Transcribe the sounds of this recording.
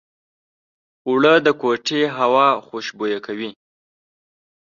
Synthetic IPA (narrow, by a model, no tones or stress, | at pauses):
wɽəd̪əkoʈeɦawɑxoʃbojakʰawi